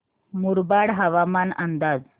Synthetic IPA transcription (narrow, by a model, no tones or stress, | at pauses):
muɾbaɽɦəʋamanənd̪ad͡z